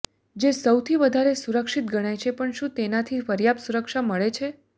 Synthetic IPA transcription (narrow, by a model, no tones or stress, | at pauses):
d͡ʒesəwt̪ʰiʋəd̪ʱaɾesuɾəkʃit̪ɡəɽ̃ajt͡ʃʰepəɳʃũt̪enat̪ʰifəɾjapsuɾəkʃaməɭet͡ʃʰe